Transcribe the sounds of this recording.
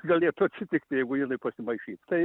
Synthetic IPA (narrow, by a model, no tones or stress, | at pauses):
ɡɐlʲeːt̪ʊɐt̪ʲsʲɪt̪ʲɪkt̪ʲɪjɛɪɡʊjɪnɐɪpɐsʲɪmɐɪʃʲiːt̪t̪ɐɪ